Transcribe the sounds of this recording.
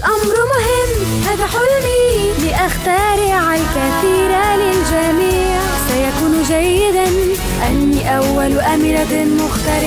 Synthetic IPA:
lʔamɾmʊhɪmː | haːðaħʊlni | lɪʔaxt̪ɑːɾɪʕalkaθiːɾalɪld͡ʒamiː | ʕ | sajakuːnʒajːɪd̪an | ʔanːiʔawːalʔamɾad̪mʊxt̪ɑɾɪ

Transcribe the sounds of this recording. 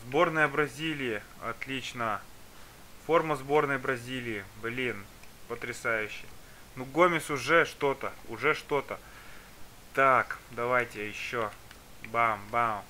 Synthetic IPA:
zbo̞rnəjəbɾɐzʲilʲɪjɪ | ɐ̰t̪lʲit͡ɕnə | fo̞rməzbo̞rnəjbɾɐzʲilʲɪɪblʲin | pət̪ɾʲɪsajʉɕːɪj | nuɡomʲɪsʊʐɛʂt̪o̞t̪əʊʐɛʂt̪o̞t̪ə | t̪akd̪ɐvajtʲɪjɪɕːo | bambam

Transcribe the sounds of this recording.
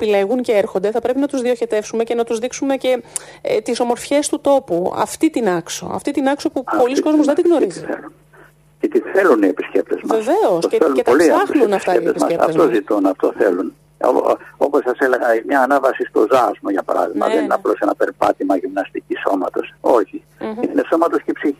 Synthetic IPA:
pileɣunce̞eɾxo̞nd̪e̞θɐpɾe̞pinɐt̪uzðioçe̞t̪e̞fsume̞cenɐt̪uzðiksume̞ce̞ | t̪iso̞mo̞ɾfçe̞st̪ut̪o̞puɐ̰ft̪it̪inɐkso̞̰ɐ̰ft̪it̪inɐkso̞pupo̞lisko̞zmozðed̪iɣno̞ɾiziθḛlun | cet̪iθeluniepiscep̚t̪ezmvɐeveo̞sceθelutp̪olieɐxnuenɐft̪ɐeit̪ezsmɐ̰seɐ̰fzt̪ozit̪unɐft̪o̞θḛlun | o̰o̞posɐsele̞ɣɐimɲɐːnɐvɐsist̪o̞zɐzmoʝɐpɐɾɐ̰ðiɣmɐ̰ðenineɐplo̞senɐpeɾpɐ̰t̪imɐʝimnɐst̪iciso̞mɐt̪o̞so̞çi | ineso̞mɐt̪o̞scepsii

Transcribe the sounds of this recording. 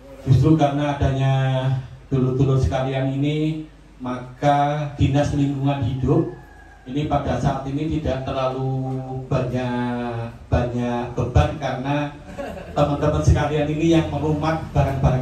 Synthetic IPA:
d͡ʒ̥ust̪ɾukaɾənaːdaɲa | d̥ulut̪ulʊt̪sə̥kalianini | makad̥inasliŋɡuŋanhidʊp̚ | inipadasaːt̪init̪idaʔt̪ərlalub̥aɲa | b̥aɲaʔb̥əbarkaɾəna | t̪əmənt̪əmənsəkalianinijaŋməɾumat̪̚b̥aɾaŋbaɾa

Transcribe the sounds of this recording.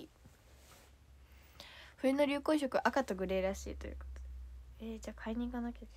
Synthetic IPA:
ɸɯ̟eno̞ɾʲɨːko̞ːɕ̬o̞kɯ̟ʔakat̪o̞ɡɯ̟ɾe̞ːɾaɕḭːt̪ojɯ̟̰ko̥t̪o̥ed͡ʑaːkʰaiɲ̟ĩːkanakʲe

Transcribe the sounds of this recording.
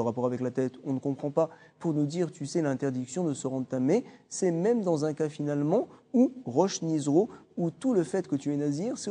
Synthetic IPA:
əʁapɔʁavɛklat̪ɛt̪ɔ̃nəkɔ̃pχɑ̃papuʁnud̪iʁt̪ysɛlɛ̃t̪ɛʁd̪iksjɔ̃d̪əsəʁɑ̃d̪ʁət̪amɛsɛmɛmd̪ɑ̃zɛ̃kafinalmɑ̃uʁɔʃnizʁout̪uləfɛt̪kət̪yɛnaziʁsɛ

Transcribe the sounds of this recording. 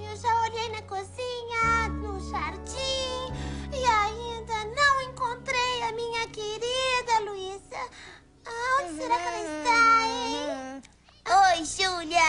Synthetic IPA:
ewʒaoʎejnɐkoziɲɐuʃaɾt͡ʃĩ | iaĩnd̪ɐnɐ̃w̃ẽŋkõnt̪ɾejɐmĩɲɐkeɾid̪ɐluizɐ | õseɾakaɾist̪a | ojʒuʎɐ

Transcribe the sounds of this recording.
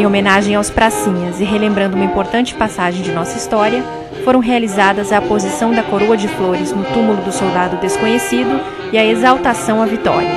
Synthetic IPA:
omẽnaʒẽj̃awspɾasĩɲɐzɪɦelẽmbɾɐ̃nd̪ʊumɐĩpoɾt̪ɐ̃nt͡ʃɪ̥pasaʒẽj̃d͡ʒɪnɔsɐist̪ɔɾiɐ | foɾɐ̃w̃ɦealizad̪ɐzɐpozisɐ̃w̃d̪ɐkoɾoɐd͡ʒɪfloɾɪznʊt̪umʊlʊd̪ʊsowd̪ad̪ʊd̪eskõɲesid̪ʊ | ɪɐezawt̪asɐ̃w̃ɐvit̪ɔ̰ɾɐ

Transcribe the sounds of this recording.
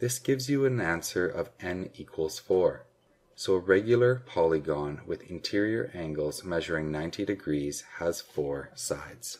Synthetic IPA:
ðɪsɡ̥ɪvzjɨɨ̃næ̃nsə˞ʔʌ̰vʔɛ̃nikʰwəlˠz̥fɔɹ | soʊəɹɛɡjl̩ˠə˞pʰɑlˠiɡɔ̃nwɪðɨ̰̃ntʰɪɹiə˞ʔæ̃ŋɡl̩ˠz̥mɛʒə˞ɪ̃ŋnãɪ̃ntʰiɾɨɡɹiz̥əz̥fɔɹsaɪdz̥

